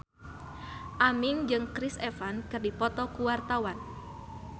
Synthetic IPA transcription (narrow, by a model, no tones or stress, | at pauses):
ʔamɪŋd͡ʒɨŋkɾisɛfankɨrdipɔt̪ɔkuwart̪awan